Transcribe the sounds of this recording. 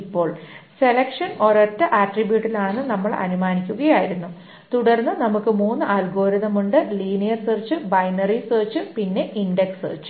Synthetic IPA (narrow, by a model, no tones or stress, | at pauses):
ipːo̞ːɭse̞lɐkʂɐno̞rɐtːɐʔaːʈribjuːʈːilaːɳe̞nːɨnɐmːɐɭɐ̰numaːnikʲːuɣɐjaːjiɾunːu | t̪uɽɐrnːɨnɐmukːɨmuːnːɨʔaːlɡo̞ːɾɐðɐmuɳɖɨliːnijɐrseːrt͡ɕːɨbɐjnɐriseːrt͡ɕːɨpinːe̞ʔiɳɖeksɨt͡ɕːɨ̥